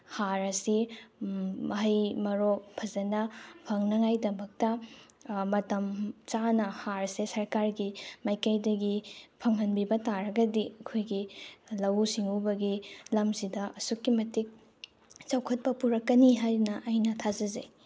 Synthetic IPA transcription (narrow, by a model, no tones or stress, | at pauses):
haɾɐsi | mɐɦɐjmɐɾopʰɐzɐnɐpʰɐŋnɐŋajdɐmɐk̚tɐ | mɐtɐmt͡ʃanɐhaɾsesɐɾkaɾɡimajkɐjdɐɡipʰɐŋɦɐnbibɐtaɾɐɡɐdiɐkʰojɡilɐwsiŋubɐɡilɐmsidɐɐsukːimɐtik̚ | t͡ʃɐwkʰɐt̚pɐpuɾɐkːɐniɦajɾnɐʔːjnɐtʰazɐze